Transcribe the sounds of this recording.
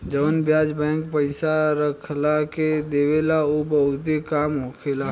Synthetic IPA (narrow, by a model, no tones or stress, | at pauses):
d͡ʒəʋənbjaːd͡ʒbɛ̃ːŋkpəɪsaɾəkʰlaked̪eːʋelaobəd̪ekaːmɦoːkʰela